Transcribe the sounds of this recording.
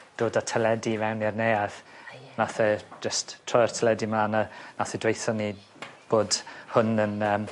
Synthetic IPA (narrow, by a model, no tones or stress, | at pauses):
d̥oːdatʰəlˠɛdivɛwnɛrnejaθnaθɛd͡ʒəstʰːrɔjr̥tʰəlɛdimananaθɛdwejθɔni | b̥oːdhʊnənəːm